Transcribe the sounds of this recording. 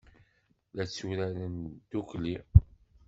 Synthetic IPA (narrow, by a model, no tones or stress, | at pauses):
læt͡sːuɾælənd̪ukli